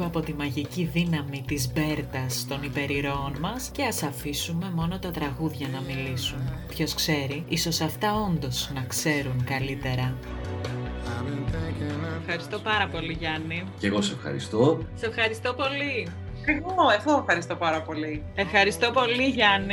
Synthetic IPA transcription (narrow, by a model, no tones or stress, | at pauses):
eɐpo̞t̪imɐʝiciðinɐmit̪izbe̞ɾt̪ɐst̪o̞nipe̞ɾiɾo̞ːnmɐsce̞ɐsɐfisume̞mo̞no̞t̪ɐt̪ɾɐɣuðʝɐnɐmilisunpço̞skse̞ɾiiso̞sɐft̪ɐo̞nd̪o̞znɐkse̞ɾuŋkɐlit̪e̞ɾɐ | fxɐɾist̪o̞pɐɾɐpo̞liʝɐniceɣosesefxɐ̰ɾḭst̪ose̞fxɐɾist̪opo̞li | eɣoeɣoefxɐɾist̪opɐɾɐpo̞li | e̞fxɐɾist̪o̞po̞liʝɐni